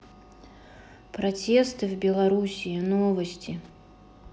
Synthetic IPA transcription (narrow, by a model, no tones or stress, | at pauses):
pɾat͡sʲɛst̪ɨvbʲɛlˠaɾusʲinɔvɐsʲt͡sʲi